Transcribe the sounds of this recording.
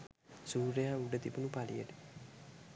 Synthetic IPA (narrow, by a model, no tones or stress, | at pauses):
suːɾejauɖət̪ibunupalijəʈə̥